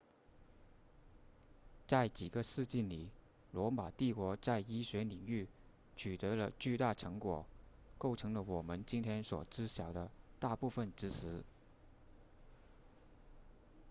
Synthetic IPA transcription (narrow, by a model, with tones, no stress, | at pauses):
t͡sa˥˩ɪt͡ɕi˨˩ɡə˦sɹ̩˥˧t͡ɕi˥˩nli˨˩˦ | lwɔ˧˥ma˨˩t̪i˥˩kwɔ˧˥t͡sa˥˩ɪi˥ɕɥɛ˧˥ni˨˩ŋy˥˩ | t͡ɕʰy˨˩t̪ɤ˧˥lə˧t͡ɕy˥˧t̪a˥˩ʈ͡ʂʰɤ˧˥ŋkwɔ˨˩˦ | ko˥˩ʊʈ͡ʂʰɤ˧˥ŋlə˧wɔ˨˩mə˧˦nt͡ɕi˥nt̪ʰjɛ˥nswɔ˨˩ʈ͡ʂɻ̩˥ɕjɑ˨˩ʊd̪ə˦t̪a˥˧pu˥˧fə˥˩nʈ͡ʂɻ̩˧˥ʂɻ̩˧˥